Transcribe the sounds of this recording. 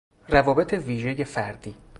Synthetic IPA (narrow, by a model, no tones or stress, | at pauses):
rævɒːbe̞t̪ʰe̞viːʒe̞je̞fæɾd̪iː